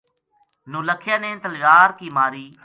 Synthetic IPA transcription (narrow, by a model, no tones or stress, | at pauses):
nũːləkʰːjaːnẽːt̪əljaːɾkiːmaːɾiː